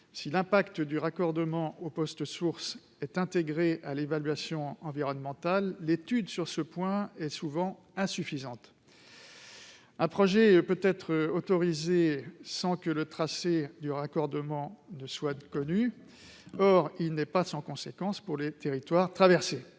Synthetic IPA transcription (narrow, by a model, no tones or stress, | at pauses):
silɛ̃pakt̪əd̪yʁakɔʁd̪əmɑ̃opɔst̪əsuʁs | ɛt̪ɛ̃t̪eɡʁeʔalevalɥasjɔ̃ɑ̃viʁɔnmɑ̃t̪alːet̪yd̪syʁsəpwɛ̃ɛsuvɑ̃ | ɛ̃syfizɑ̃t̪ | ɛ̃pχɔʒɛpøt̪ɛt̪χəot̪ɔʁizesɑ̃kələt̪χased̪yʁakɔʁd̪əmɑ̃nəswakɔny | ɔʁilnɛpasɑ̃kɔ̃sekɑ̃spuʁlet̪eʁit̪waʁt̪χavɛʁse